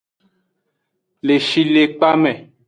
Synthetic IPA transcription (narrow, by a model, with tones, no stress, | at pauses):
le˨ʃi˦le˨k͡pa˦mɛ̃˨